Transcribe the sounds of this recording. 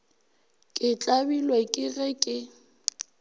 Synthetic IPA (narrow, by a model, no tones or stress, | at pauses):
kʼɪt͡ɬʼabilwakʼɪɣɛkʼɪ